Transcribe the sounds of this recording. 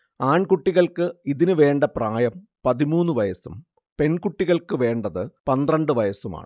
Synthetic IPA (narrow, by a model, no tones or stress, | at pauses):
aːɳkuʈːiɣɐɭkɨiðinɨʋe̞ːɳɖɐpraːjɐm | pɐðimuːnːɨʋɐjɐsum | pe̞nkuʈːiɣɐɭkɨʋe̞ːɳɖɐðɨpɐnd̪rɐɳɖɨʋɐjɐsuma̰ːɳɨ